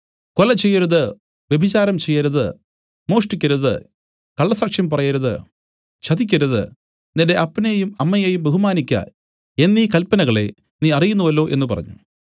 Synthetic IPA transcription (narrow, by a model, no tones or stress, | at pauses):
kolɐt͡ɕe̞jːɐɾuðɨ | ʋe̞bʱit͡ɕaːɾɐmt͡ɕe̞jːɐɾuðɨ | mo̞ːʂʈikʲːɐɾuðɨ̰ | kɐɭːɐsaːkʂjɐmpɐrɐjɐɾuðɨ | t͡ɕɐðikʲːɐɾuðɨ̰ | ninde̞ʔɐpːɐnejumɐmːɐjejumbeɦumaːnikʲːɐ̰ | e̞nːiːkɐlpːɐnɐɣɐɭe | niːɐrijunːuʋɐlːo̞ːʔe̞nːupɐrɐ̰ɲːṵ